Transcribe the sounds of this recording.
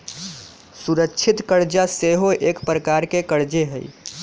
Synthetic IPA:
suɾəkːt͡ʃʰit̪kəɾd͡ʒaseɦoʔekpɾəkaɾkekəɾd͡ʒeɦə̰i

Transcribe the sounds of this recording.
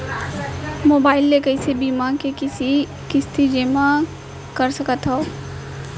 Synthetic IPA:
moːbaːɪlːekəɪsebiːmakekɪsi | kɪst̪ʰid͡ʒeːma | kəɾsɐkət̪ɦoo

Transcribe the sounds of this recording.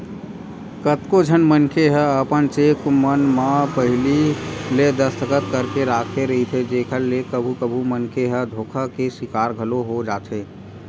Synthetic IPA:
kət̪kod͡ʒʱənmənkʰeɦɛəpənt͡ʃekmənmapəɦɪliled̪əst̪ʰəkət̪kəɾkeɾaːkʰeɾəɦit̪ʰed͡ʒekʰəlːekəbʱukəbʱumənkʰeɦə̃d̪ʱoːkʰakesɪkaːɾɡʱəloɦod͡ʒaːt̪ʰɦeː

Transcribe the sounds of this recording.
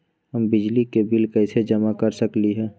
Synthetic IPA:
ɦəmbɪd͡ʒlikebɪlkɛɪsed͡ʒəmakəɾsəkliɦɛː

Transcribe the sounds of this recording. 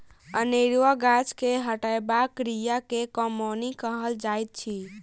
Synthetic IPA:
əneɾʋəɡat͡ʃkeɦəʈajbakːɾijakekɔmonikəɦəld͡ʒajt̪̚t͡ʃʰi

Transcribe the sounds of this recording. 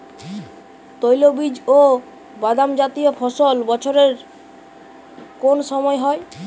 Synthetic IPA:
t̪ojlobid͡ʑo | bad̪amd͡ʑat̪iofʰɔʃolbɔt͡ɕʰoɾeɾ | konʃɔmɔeɦɔe

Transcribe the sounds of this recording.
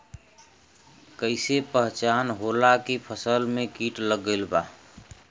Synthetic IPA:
kəɪsepəɦt͡ʃanɦolakipʰəsəlmekiʈləɡəlba

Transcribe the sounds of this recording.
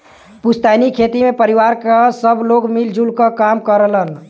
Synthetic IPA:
pust̪anikʰet̪imepəɾiwaɾkəsəbloɡmild͡ʒulkəkamkəɾələn

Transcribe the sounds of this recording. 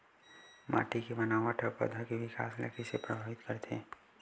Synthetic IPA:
mʔa̰ːʈikebənaːʋaʈʰəpə̰d̪ʱəkeʋɪka̰ːslə̰kʰisepɾəbʱaːʋɪt̪kəɾt̪ḛː

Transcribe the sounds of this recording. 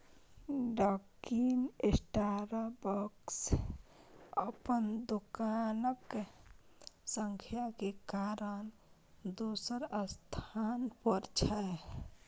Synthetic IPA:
ɖɔːkinesʈaɾabəks | əpənd̪okanək | səŋkʰjakekaɾən | d̪osəɾəst̪ʰanpəɾt͡ʃʰa

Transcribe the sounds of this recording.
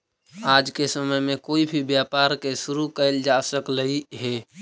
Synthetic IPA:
aːd͡ʒkesəməjmẽkoːibʱibjaːpaːɾkeʃʊɾukəɪld͡ʒasəkləiɦɛː

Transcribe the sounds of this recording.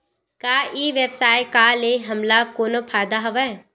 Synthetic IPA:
kaːiːʋebsaːjkaleɦɐmlakoːnopʰaːd̪aɦɐʋaɛ

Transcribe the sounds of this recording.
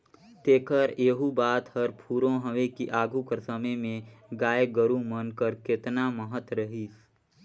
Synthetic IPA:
t̪eːkəɾeːɦubaːt̪həɾpʰuːɾõɦəʋekiʔaːɡukəɾsəməjmẽɡaːeɡəɾũmənkəɾkɪt̪naməɦət̪ɾəɦiːs

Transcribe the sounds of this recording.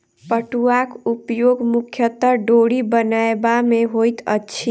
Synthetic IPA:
pəʈuakupjoɡmukʰjət̪ːəɾɖoɽibənaebameɦojt̪ə̰tːʃʰi

